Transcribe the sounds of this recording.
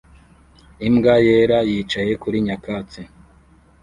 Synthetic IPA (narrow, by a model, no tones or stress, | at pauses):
imɡajeɾajit͡ʃaje̞kuɾiɲakat͡se